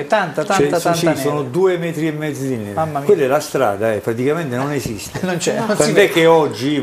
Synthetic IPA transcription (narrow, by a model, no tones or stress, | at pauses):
t̪ːant̪at̪aasansisoːnod̪uːemɛːt̪ɾiemːɛːd̪zid̪inɛamːakwelːɛlːast̪ɾa̰ːd̪aɛpːɾat̪ikament̪enonesist̪enont͡ʃɛkand̪ɛkːeɔd͡ʒːi